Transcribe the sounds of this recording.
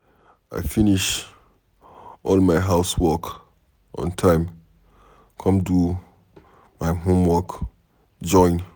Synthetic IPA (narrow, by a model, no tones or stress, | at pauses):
a̰ɪfiniʃ | ʔɔlmaɪɦaʊswɔk | ʔɔ̰̃ntʰãɪ̃m | kʰɔ̃mdu | maɪɦõmwɔk | d͡ʒɔ̃ɪ̃n